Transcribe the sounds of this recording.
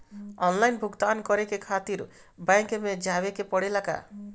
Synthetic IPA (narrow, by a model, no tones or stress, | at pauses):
ɔnlajnbʱuɡt̪ankɔɾekekʰat̪iɾ | bajŋkemed͡ʒawekepɔɽelaka̰